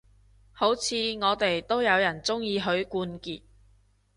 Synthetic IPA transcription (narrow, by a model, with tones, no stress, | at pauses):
ho˨˥wt͡sʰiː˨˧ŋɔː˨˧t̪e˨jt̪o˥wjɐ˨˧wjɐ˨˩nt͡sʊ˥ŋjiː˨˧ɦɵ˨˧ɥkuː˧nkiː˨t̚